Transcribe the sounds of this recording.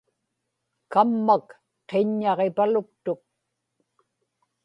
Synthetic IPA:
kamːak | qeɲːɑʁepalʊk̚t̪ʊk̚

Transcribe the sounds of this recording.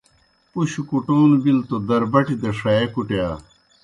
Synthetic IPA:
puɕukuʈoːnubilt̪od̪ɐɾbɐʈid̪ɐʂaːekuʈeaː

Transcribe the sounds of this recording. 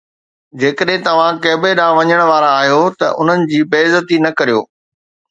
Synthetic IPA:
d͡ʑeːkəɗɦɪ̃t̪ɐʋ̤ãkɐːbeɗãːʋɐɲəɽ̃ʋaːɾaaːɦijot̪ɐ̰ʔʊ̰n̤ənɪ̆d͡ʑiːbeːzət̪inɐkɐɾijoː

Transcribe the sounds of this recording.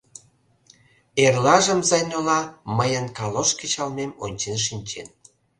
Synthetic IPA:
erlɑʒəmzɑjnolɑməjənkɑloʃkit͡ɕɑlmemo̰nʲt͡ɕenʃ̬inʲt͡ɕen

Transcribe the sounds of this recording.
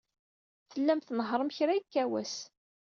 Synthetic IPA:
θəlːæmθnəɦɾˤəmçɾaikːæwæs

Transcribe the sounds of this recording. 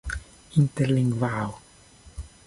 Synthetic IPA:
int̪eɾliŋɡvaːwo

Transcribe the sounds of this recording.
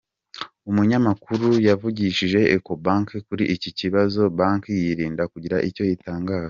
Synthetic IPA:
umuɲamakuɾujavuɟiʃiʒe̞eko̞baːŋkkuɾiʔiciciβazo̞baːŋkjiɾiːndakuɟiɾaʔico̞jitaːŋɡaːza

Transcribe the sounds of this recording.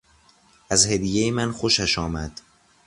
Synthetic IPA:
ʔæzhed̪ijejemænxo̞ʃæʃɒːmæd̪̥

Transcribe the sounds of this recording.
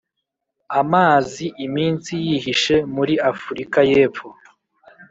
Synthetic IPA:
amaːziʔimiːnsijiɦiʃe̞muɾiafuɾikaje̞ːfo

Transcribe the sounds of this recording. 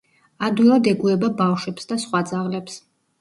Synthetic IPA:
ad̪wilˠad̪ɛɡuɛbabafʃwɛpsd̪asχwad̪zaʁlɛps

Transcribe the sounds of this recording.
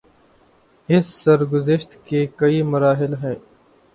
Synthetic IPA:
ɪsːɐɾɡʊzɪʃt̪keːkɐimɐɾaːɦɪlɦɛ̃ː

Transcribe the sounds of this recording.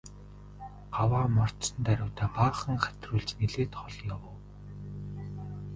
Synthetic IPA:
ɢ̥awaːmɔr̥t̪sə̆nt̪æɾʲʊːt̪ʰæːpaːχə̆ŋχæ̥t̪ʲruːɮt͡ɕneɮeːt̪χɔɮjawə̆w

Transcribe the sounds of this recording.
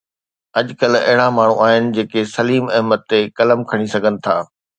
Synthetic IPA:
ɐʄkɐlɐ̰ɦɪɽãmaːɳ̤ũaːɦɪnɪ̆d͡ʑeːkesɐliːmɪɦmət̪ːekɐləmkʰɐɽ̃isɐɡʱənɪ̆t̪ʰaː

